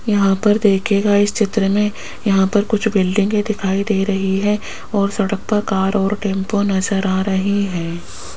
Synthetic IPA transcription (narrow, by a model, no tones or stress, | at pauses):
jɐɦãpɐɾd̪eːkʰeːɡaɪst͡ʃɪt̪ɾəmẽ | jɐɦãpɐɾkʊt͡ʃʰbɪlɖɪ̃ŋɡẽd̪ɪkʰaːid̪eːɾɐɦiɦɛ | ɔːɾsɐɽək̚pɐɾkaːɾɔːɾʈẽːmponɐzəɾaːɾɐɦiɦɛː